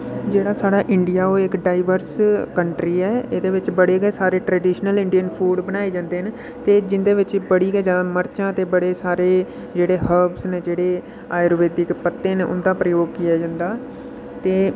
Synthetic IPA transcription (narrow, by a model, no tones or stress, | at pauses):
d͡ʒeːɽaːsaːɽaːʔɪɳɖɪjaːoːɪkɖaːɪʋəɾskəɳʈɾiːɛːed̪eːʋɪt͡ʃbəɽeːɡeːsaːɾeːʈɾəːɖiːʃnəlɪɳɖijənpʰuːɖbəñaːiːd͡ʒãːnd̪eːɦən | t̪eːd͡ʒɪnd̪eːʋɪt͡ʃbəɽiːɡɛːd͡ʒãːməɾt͡ʃãːt̪eːbəɽeːsaːɾeː | d͡ʒeːɽeːɦəbsned͡ʒeːɽeː | aːjɾoːʋeːt̪ɪkpət̪ːeːnːʊ̰nd̪aːpɾəjoːɡ̚kɪjaːd͡ʒãːnd̪aː | t̪eː